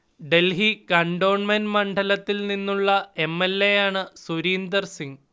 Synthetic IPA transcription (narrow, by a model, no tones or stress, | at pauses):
ɖe̞lɦikɐɳɖo̞ːɳmɐnmɐɳɖʱɐlɐt̪ːilninːuɭːɐe̞mːelːejaːɳɨsuɾiːnd̪ɐrsiŋɡ